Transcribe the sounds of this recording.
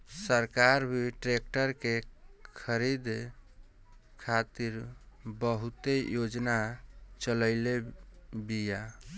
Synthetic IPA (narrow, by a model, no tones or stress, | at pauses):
səɾkaɾbʱiʈɾek̚ʈəɾkekʰəɾid̪ | kʰat̪iɾbəɦut̪ejod͡ʒnat͡ʃələɪlebija